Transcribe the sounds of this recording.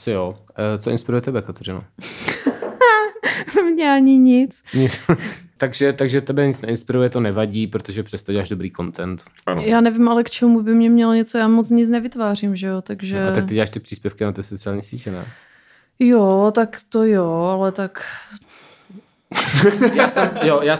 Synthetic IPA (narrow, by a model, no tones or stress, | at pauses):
sɪjoː | t͡soʔɪ̰nspɪɾujɛt̪ɛbɛkat̪ɛrɪno̰ | mɲɛaɲɪɲɪt͡sɲɪt͡st̪aɡʒɛt̪aɡʒɛt̪ɛbɛɲɪt͡snɛɪnspɪɾujɛt̪onɛvaɟiːpɾot̪oʒɛpr̥ɛst̪oɟɛlaːʒdobɾiːko̞nt̪ɛnt̪ | a̰n̰jaːnɛvɪmalɛkt͡ʃɛmubɪmɲɛmɲɛloɲɛt͡sojaːmot͡sɲɪt͡snɛvɪt̪vaːrimʒɛjot̪aɡʒɛakt̪ɪɟɛlaːʃt̪ɪpr̥iːspjɛfkɪnat̪ɛsot͡sɪaːlɲiːsiːcɛnɛ̰ | jot̪akt̪ojoalɛt̪ak | jaːsɛmjojaː